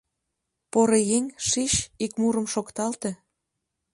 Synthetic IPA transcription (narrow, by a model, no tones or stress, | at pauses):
poɾejeŋʲʃiɕikmuɾə̆mʃokt̪ɑlt̪e